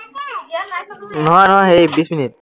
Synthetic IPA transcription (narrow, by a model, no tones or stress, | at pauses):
nɔɦãːnɦãːɦebisminit̪̚